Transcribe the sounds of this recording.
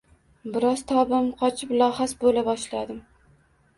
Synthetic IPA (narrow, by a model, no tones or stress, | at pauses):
bɪɾɒz̥t̪ʰɒbɪmqʰɒt͡ʃʰɪplˠɒhasbolabɒʃlad̪ɪm